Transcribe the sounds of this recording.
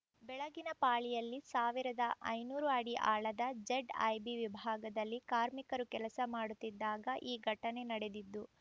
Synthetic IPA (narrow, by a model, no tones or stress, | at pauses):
bɛɭɐɡinɐpaːɭijɐlːisaːʋiɾɐd̪ɐʔɐjnuːɾuɐɽiʔaːɭɐd̪ɐd͡ʒeɖɐ̰jbiʋibʱaːɡɐd̪ɐlːikaːɾmikɐɾukɛlɐsɐmaːɽut̪ːid̪ːaːɡɐʔiːɡʱɐʈːɐne̞nɐɽe̞d̪id̪ːu